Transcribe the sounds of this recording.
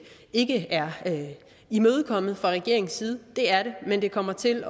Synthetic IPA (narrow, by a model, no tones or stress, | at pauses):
e̝ɡ̥əæɐø | imøːð̞ˠkʰɒ̽m̰ð̩ˠfʁɑ̈ʁɛɡ̥e̝ɐ̰e̝ŋ̩siːð̞̩ˠd̥e̝æɐɾe̝mend̥e̝kʰɒ̽m̰ɐt͡sʰe̝l